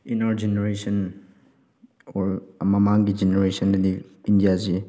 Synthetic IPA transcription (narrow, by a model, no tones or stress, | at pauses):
inaɾd͡ʒeneɾesɐn | ɔɾmɐmaŋɡid͡ʒeneɾesɔndɐdiindijazi